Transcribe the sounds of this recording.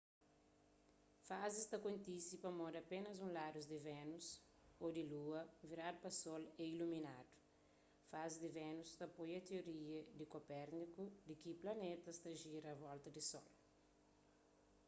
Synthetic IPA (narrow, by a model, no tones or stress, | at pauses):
fazɪst̪ɐkõnt̪isipɐmɔdɐpenɐzũlad̪uzd̪ɪvɛnus | od̪ɪluɐviɾadʊpɐsɔlɛiluminadu̥ | fazɪd̪ɪvɛnust̪ɐpojɐt̪eoɾiɐd̪ɪkopɛɾnikud̪ɪkiplɐnet̪ɐst̪ɐʒiɾɐvɔlt̪ɐd̪ɪsɔl